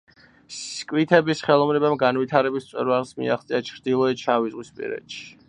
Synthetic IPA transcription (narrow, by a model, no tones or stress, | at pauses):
skʼwit̪ʰɛbisχɛlˠɔmɾɛbamɡanvit̪ʰaɾɛbist̪sʼɛ̰ɾvalsmḭaχt̪sʼiat͡ʃʰɾd̪ilˠɔɛt͡ʃʰavizʁwispʼḭɾɛ̰t̪ʃi̥